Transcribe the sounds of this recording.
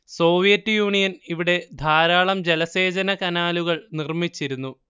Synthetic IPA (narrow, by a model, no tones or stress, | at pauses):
so̞ːʋijɐtːjuːɳijɐniʋiɽe̞d̪ʱaːɾaːɭɐmd͡ʑe̞lɐse̞ːd͡ʑɐnɐkɐnaːluɣɐɭnirmit͡ɕːiɾunːu